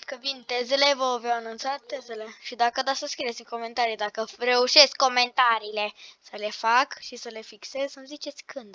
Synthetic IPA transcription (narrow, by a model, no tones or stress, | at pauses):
kəvint̪e̞ze̞le̞vəavjawanunt̪sat̪ːe̞ze̞le̞ʃid̪akəd̪asəskɾiet̪simko̞me̞nt̪aɾijd̪akəre̞uʃe̞skkːo̞me̞nt̪aɾiːle̞səle̞fakʃisəle̞fikse̞zʲsəmzit͡ʃe̞t̪sʲkɨnd̪